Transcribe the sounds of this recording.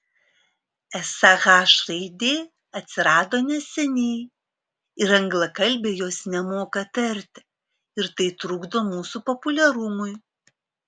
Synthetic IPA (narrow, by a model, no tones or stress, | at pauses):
ɛsɐɣɑːʃɾɐɪd̪ʲeː | ɐt̪ʲsʲɪɾɑːd̪oːnʲɛsʲɛnʲɛɪ | ɪɾɐŋɡlˠɐkɐlʲbʲeːjoːsnʲɛmoːkɐt̪ɐɾʲt̪ʲɪ | ɪɾt̪ɐɪt̪ɾʊɡd̪oːmuːsupɔpʊlʲɛɾʊmʊɪ